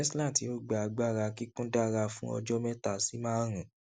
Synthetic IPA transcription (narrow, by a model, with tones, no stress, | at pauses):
slã˦˨ti˨˦o˦˨ɡ͡ba˨a˧ɡ͡ba˦˨ɾa˧ki˦kũ˦da˦ɾa˧fũ˦ɔ̰˧d͡ʒɔ˦mɛ˦ta˦˨si˨˦mãː˦ɾ̃ũ˨